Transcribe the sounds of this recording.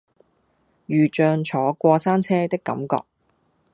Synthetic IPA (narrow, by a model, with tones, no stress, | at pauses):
jyː˨t͡ʃœː˨˧ŋt͡sʰɔː˨˥kʷɔː˧saː˥nt͡sʰɛː˥t̪ɪ˥kːɐ̰˨˥mkɔ̰ː˧k̚